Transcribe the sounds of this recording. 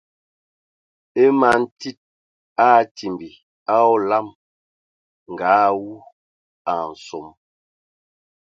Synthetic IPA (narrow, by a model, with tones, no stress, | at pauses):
e˦ma˨˦n̩˦ti˦t̚ | a˦ti˨mbi˨ | a˦ɔ˦la˦˨m | ŋ̩˨ɡaː˨˦wu˦ | a˨n̩˨so˨˦m